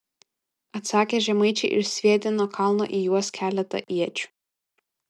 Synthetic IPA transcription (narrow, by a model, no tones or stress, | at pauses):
ɐt̪sɑːkʲeʒʲɛmɐɪt͡ʃʲɛɪʔɪ̰ɾsʲʋʲiɛt̪ʲɪnokʰɑˑlˠno̰ʔijuɔskʲæːlʲɛt̪ɐ̰ʔiɛt͡ʃʲʊ̥